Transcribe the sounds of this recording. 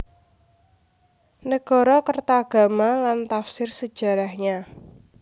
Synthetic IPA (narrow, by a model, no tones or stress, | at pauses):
nəɡ̥ɔ̤ɾɔkərt̪aːɡ̥a̤malant̪afsɪrsəd̥ʒ̥ä̤ɾahɲa